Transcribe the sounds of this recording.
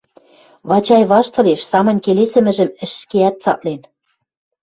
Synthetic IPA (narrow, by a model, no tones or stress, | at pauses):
βɑt͡ɕɑjβɑʃt̪ɤ̆leʃsɑmɤ̆nʲkelesɘ̆mɘ̆ʒɘ̆mɘ̆ʃʃkeæt̪̚t͡sɑ̰ʔ̚len